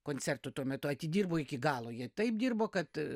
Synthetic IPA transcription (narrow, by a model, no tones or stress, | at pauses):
koːnʲt͡sʲsʲɛrt̪ʊt̪uɔmʲɛt̪ʊɐt̪ʲɪdʲiːrboːɪkʲɪɡɑːlˠoːjɛt̪ɐɪp̚d̪ʲiːrboːkɐt̪